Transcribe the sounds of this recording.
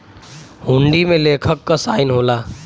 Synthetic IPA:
ɦũɳɖimẽleːkʰəkːasaːɪnɦoːlaː

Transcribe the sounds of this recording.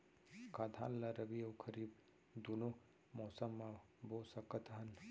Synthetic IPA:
kad̪ʰʱa̰ːnlaɾəbiɐwkʰəɾib̚ | d̪uno | mɔːsəmːa | bosəkət̪ɦən

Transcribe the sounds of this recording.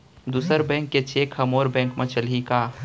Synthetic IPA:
d̪uːsəɾbɛ̃ːŋkːet͡ʃeːkhɐmoːɾbɛ̃ːŋkmẽt͡ʃəlɦikaː

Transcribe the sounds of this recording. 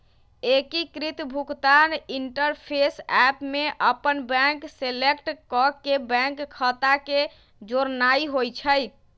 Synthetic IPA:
ekikɾit̪bʱukt̪aniɳʈəɾpʰesɛpmeʔəpənbɛ̃ŋkselekʈkɔkebɛ̃ŋkːʰət̪ake | d͡ʒoɾnaiɦojt͡ʃʰəj

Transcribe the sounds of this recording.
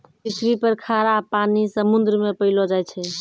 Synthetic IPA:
pisɾipəɾkʰaɾapanisəmund̪ɾəmepəɦɪlod͡ʒajt͡ʃʰɛ

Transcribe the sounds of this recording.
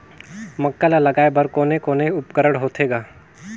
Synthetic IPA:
mɐkːalalɐɡaːebəɾkoːnekoːneʊpkəɾəɽɦoːt̪ʰeːɡaː

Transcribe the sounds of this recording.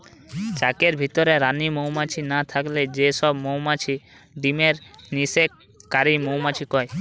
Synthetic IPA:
t͡ʃakeɾbʱit̪ɔɾeɾanimowmat͡ʃʰinat̪ʰakled͡ʒeʃɔbmowmat͡ʃʰi | ɖimeɾnisek | kːaɾimowmat͡ʃʰikɔe

